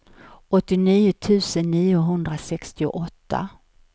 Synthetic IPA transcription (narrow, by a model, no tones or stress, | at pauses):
ɔt̪ːɪniːʊt̪ʰʉ̟ːsənːiːʊɦɵnd̪ɾasɛkst̪ɪʊ̰ʔɔt̪ʰːa̰